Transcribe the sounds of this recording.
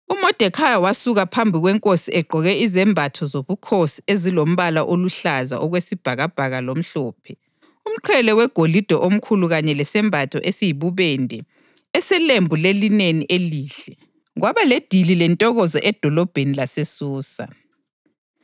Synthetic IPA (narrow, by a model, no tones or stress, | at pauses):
umɔd̥ʱɛkʰajawasuɣapʰambʱiɣwɛŋkʼosiɛɡ͡ǃʱɔɣɛizɛmbʱatʰɔzoβukʰosiezilom̩βalaʔoluɬaza̰ʔɔɣwesib̥ʱaɣab̥ʱaɣalom̩ɬɔːpʰɛ | um̩ǃʰɛlɛwɛɡ̥ʱolid̥ʱɔʔom̩kʰuluɣaɲɛlɛsɛmbʱatʰɔʔesijiβuβɛndʱɛ | ɛsɛlembʱulelineniʔeliːɬɛ | ɣwaβaled̥ʱililɛntʼɔɣɔzɔʔɛd̥ʱɔlɔb̥ʱenilasesuːsa̰